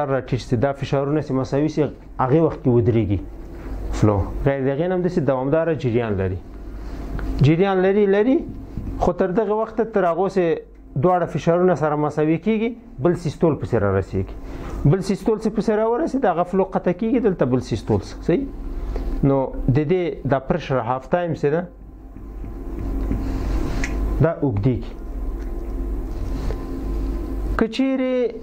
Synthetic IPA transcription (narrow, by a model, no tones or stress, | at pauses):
ɾːɑʈit͡ʃsed̪ɑfɪʃɑɾunasemasɑwise | aɣewaxt̪̚kewəd̪ɾeɡi | floɣajɾd̪eɣenamd̪əsed̪awɑmd̪ɑɾad͡ʒɪɾjɑnla̰ɾi | d͡ʒɪɾjɑnlaɾilaɾixot̪əɾd̪əɣewaxt̪at̪əɾaɣose | d̪wɑɽafɪʃɑɾunasaɾamasɑwikeɡi | bəlsist̪olpəseɾɑ̰ɾa̰sḛɡi̥bəlsist̪olsepəseɾɑwəɾased̪aɣafloqat̪akeɡid̪əlt̪abəlsist̪olssai | nod̪əd̪ed̪ɑpɾɪʃɾaɦaft̪ɑjɪmsed̪a | d̪ɑʔʊɡd̪eɡi | kət͡ʃeɾe